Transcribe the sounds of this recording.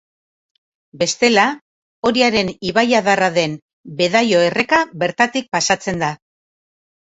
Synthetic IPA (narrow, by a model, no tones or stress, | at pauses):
be̞st̪e̞la | o̞ɾiaɾe̞niβajaðaraðe̞n | be̞ðajo̞e̞re̞kaβe̞ɾt̪at̪ik̚pasat͡se̞nd̪a